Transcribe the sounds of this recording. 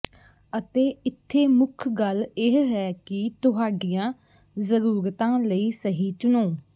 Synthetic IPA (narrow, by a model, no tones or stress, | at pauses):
ət̪eːɪt̪ʰːeːmʊkʰɡəlɪɦɦɛːkɪt̪ʊɦaːɖijãː | zəɾuːɾt̪ãːləiːsəɦiːt͡ʃʊnõː